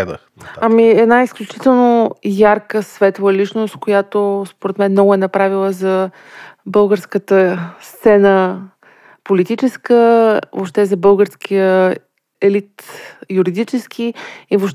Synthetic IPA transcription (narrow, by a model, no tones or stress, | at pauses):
d̪ə̰xɐmiɛd̪naisklʲut͡ʃit̪ɛlˠnojaɾkəsvɛt̪lˠovəlit͡ʃnost̪̚kojat̪ospoɾɛt̪mɛnmnɔɡʊɛnɐpɾavilˠəzɐ | bɤlˠɡəɾskət̪əst̪sɛnə | polit̪it͡ʃɛskəvo̰pʃt̪ɛzɐbɤlˠɡəɾskʰijə | ɛlit̪juɾid̪it͡ʃɛskʰiivoʃ